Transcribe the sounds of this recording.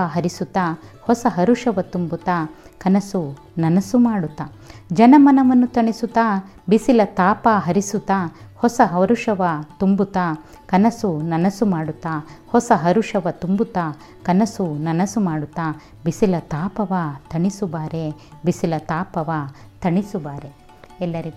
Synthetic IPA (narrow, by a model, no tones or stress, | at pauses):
aɦɐɾisut̪ːaːhɔsɐɦɐɾuʂɐʋɐt̪umbut̪aːkɐnɐsu | nɐnɐsumaːɽut̪ːaː | d͡ʒɐnɐmɐnɐʋɐnːut̪ɐɳisut̪aː | bisilɐt̪aːpaːɦɐɾisut̪ːaːhɔsɐɦɐɾuʂɐʋɐt̪umbut̪aː | kɐnɐsunɐnɐsumaːɽut̪ːaːhɔsɐɦɐɾuʂɐʋɐt̪umbut̪aː | kɐnɐsunɐnɐsumaːɽut̪ːaː | bisilɐt̪aːpɐʋaːt̪ʰɐɳisubaːɾe | bisilɐt̪aːpɐʋa | t̪ʰɐɳisubaːɾe | ɛlːɐɾi